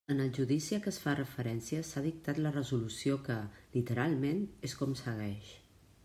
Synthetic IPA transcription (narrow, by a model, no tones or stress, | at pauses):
ənəlˠʒuðisiəkəsfarəfəɾɛnsiəsað̞ik̚t̪at̪lərəzulusiokəlit̪əɾalˠmeneskumsəɣ̞ɛʃ